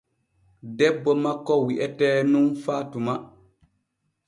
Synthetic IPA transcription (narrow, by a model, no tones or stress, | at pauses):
dɛbːɔmakːɔwiʔɛtɛːnunfatuma